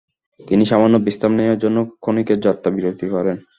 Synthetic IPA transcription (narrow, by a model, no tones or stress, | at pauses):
t̪iniʃamanːobist̪amneaɾd͡ʑonːokʰonikeɾd͡ʑɔt̪ːabiɾod̪ʱikɔɾen